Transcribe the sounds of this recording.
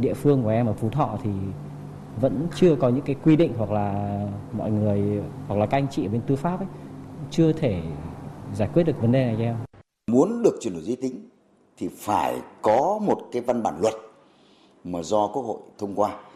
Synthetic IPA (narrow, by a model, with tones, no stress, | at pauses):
ɗḭ˧˨əfɨ˧əŋku˧˩əʔɛ˧mʔəː˧˩fu˨˦t̪ʰɔ̰˧˨t̪ʰi˨˩ | və̰˧˥nt͡ɕɨ˧əkɔ˨˦ɲɨ̰˧˥ŋkaː˨˦jkwi˧ɗḭ̈˧˨ŋ̟ɦwa˨˩k̚laː˨˩mɔ̰˧˨jŋɨ˨˩əjhwa˨˩k̚laː˨˩ka˧jŋ̟t͡ɕḭ˧˨əː˧˩ɓe˧nt̪ɨ˧faː˦˥p̚ʔə˨˦jt͡ɕɨ˧ət̪ʰe˧˩ | zaː˧˩jkwt̚ɗɨ˨˩ək̚və˨˦nɗe˨˩na˨˩jzɛ˧w | mu˨˦ənɗɨ˨˩ək̚t͡ɕwi˨˩no̰˨˧˨zi˨˧˦t̪ï˨˦ŋ̟ | t̪ʰi˨˩faː˧˩jkɔ˨˦mo˨˩t̚kaː˨˦jva˧nɓa̰ː˧˩nlwə̰˨˩t̚ | maː˨˩zɔ˧ku˦ək̚ho̰˧˨jt̪ʰə˧wŋ͡mkwaː˧